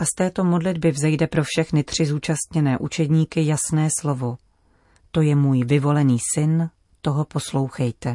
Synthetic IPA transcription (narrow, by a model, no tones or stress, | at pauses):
ʔast̪ɛːt̪o̞mo̞dlɪdbɪvzɛjdɛpɾo̞fʃɛxnɪt̪r̝̥ɪzuːt͡ʃast̪ɲɛnɛːʔut͡ʃɛdɲiːkɪjasnɛːslo̞vo̞ | t̪o̞jɛmuːjvɪvo̞lɛniːsɪn | t̪o̞ɦo̞po̞slo̞wxɛjt̪ɛ